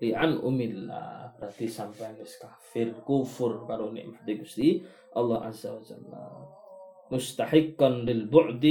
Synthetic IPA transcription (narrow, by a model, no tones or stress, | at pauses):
ɾiʔanʔṵmillːa̰rat̪isampaneskafirkufʊrkaɾonḛʔmafad̪akust̪i | ʔɑlˤːɑhʔa̰zawad͡ʒa̰lːa̰ | mʊst̪aħɪkːanlilbʊʕd̪